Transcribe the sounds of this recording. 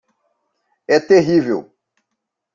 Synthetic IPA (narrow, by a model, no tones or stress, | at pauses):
ɛt̪eɦivḛw